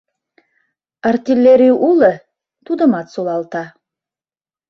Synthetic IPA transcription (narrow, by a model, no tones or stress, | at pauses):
ɑrt̪ʲilʲːeɾiʔulˠə | t̪ud̪ə̆mɑt̪solˠɑlˠt̪ɑ